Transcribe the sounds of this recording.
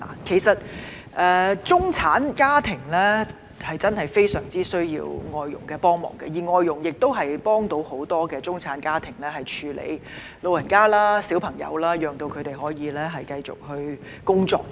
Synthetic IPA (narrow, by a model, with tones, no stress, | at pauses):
la̰ː˨˩kʰe˨˩jsɐ˨t̚ | ʔɛː˨˧t͡sʊ˥ŋt͡sʰaː˨˥nkaː˥t̪ʰɪ˨˩ŋlɛː˥ | hɐ˨˩jt͡sɐ˥nhɐ˨jfe˥jsœ̰ː˨˩ŋt͡siː˥sɵ˥ɥjḭː˧wŋɔː˨˧jːʊ̰˨˩ŋkɛː˧pɔː˥ŋmɔ̰ː˨˩ŋkɛ̰˧jiː˨˩ŋɔː˨˧jːʊ˨˩ŋjɪ˨k̚t̪o˥wɦɐ˨jpɔː˥ŋt̪o˨˥who˨˥wt̪ɔː˥kɛː˧t͡sʊ˥ŋt͡sʰaː˨˥nkaː˥t̪ʰɪ˨˩ŋlɛː˥hɐ˨˩jt͡ʃʰyː˨˧lḛ˨˧j | lo˨˧wjɐ˨˩nkaː˥laː˥si˨˥wpʰɐ˨˩ŋjɐ̰˨˧wlaː˥jœː˨ŋt̪o˧wkʰɵ˨˧ɥt̪e˨jɦɔː˨˥jiː˨˧lɛː˥ɦɐ˨jkɐ˧jt͡sʊ̰˨k̚hɵ˧ɥ | kʊ˥ŋt͡sɔ̰ː˧k̚